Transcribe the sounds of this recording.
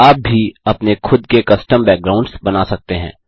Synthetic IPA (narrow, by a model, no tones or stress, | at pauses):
aːp̚bʱiɐpnekʰʊd̪kekɐsʈəmbɛːk̚ɡɾaːʊ̃ɳɖsbɐnasɐk̚t̪eɦɛ̰̃ː